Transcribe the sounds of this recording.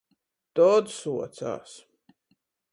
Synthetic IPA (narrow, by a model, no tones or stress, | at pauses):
t̪ɔːd̪suɔt̪sa̰ːs